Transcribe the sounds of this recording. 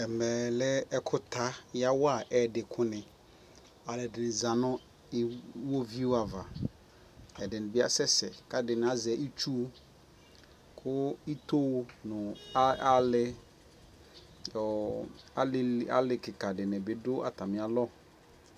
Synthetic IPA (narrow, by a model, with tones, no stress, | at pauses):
ɛ˨mɛ˨lɛ˦ɛ˦kʰʊ˦t̪ʰa˦ja˦wa˨ʔɛ˨dɪ˨kʰʊ˦nɪ̃˨ | a˨lɪ˨dɪ˨nɪ˨za˨nʊ̃˦ | wo˦vi˦wa˨va˨ | ɛ˨dɪ˨nɪ̃˨bɪ˦a̰˦sɛ˦sɛ˨ka˨dɪ˨nɪ̃˨˦a˦zɛ˨˦ʔi˦t͡ʃu˦ | kʰʊ˦i˦t̪o˦nʊ̃˨˦a˦lɪ˦ | ɔ˨˦lɪ˦a̰˦lɪ˨kɪ˨ka˨dɪ˨nɪ̃˨bɪ˨dʊ˦ʔa˨tʰa˨mɪ̃˨a˨lɔ˦